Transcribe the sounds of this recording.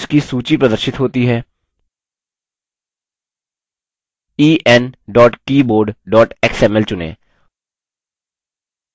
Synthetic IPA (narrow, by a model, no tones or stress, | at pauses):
ʃkisuːt͡ʃipɾɐd̪əɾʃɪt̪ɦoːt̪iɦɛː | iːʔɛnɖɔːʈkiːboːɾɖɖɔːʈɛksɛmɛlt͡ʃʊnḛː